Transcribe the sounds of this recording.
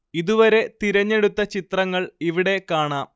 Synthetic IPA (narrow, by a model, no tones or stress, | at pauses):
iðuʋɐɾe̞t̪iɾɐɲːe̞ɽut̪ːɐt͡ɕit̪rɐŋːɐɭiʋiɽe̞kaːɳaːm